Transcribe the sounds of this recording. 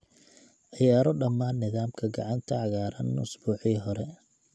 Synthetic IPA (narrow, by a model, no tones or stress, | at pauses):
ʕɪjaːɾɔɖɐmːaːnːɪðaːmkʰɐɡɑʕɑnt̪ʰɐʕɑɣaːɾɐ̰nːʊsbuːħiːɦɔɾɛ